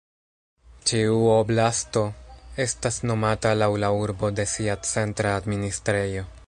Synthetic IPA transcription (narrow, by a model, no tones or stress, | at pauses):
t͡ʃiuoblasto̞e̞stasno̞matalawlauɾbo̞de̞siat͡se̞ntɾaːdministɾejo̞